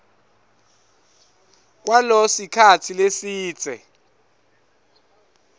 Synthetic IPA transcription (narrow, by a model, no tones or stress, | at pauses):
k̬walɔsikʰat͡sʰilesiːt͡sʼɛ̰